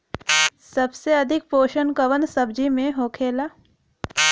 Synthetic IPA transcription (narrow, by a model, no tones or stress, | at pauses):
sɐbseɐd̪ʱɪk̚poːʃənkɐʋənsɐbd͡ʒimẽɦoːkʰeːlaː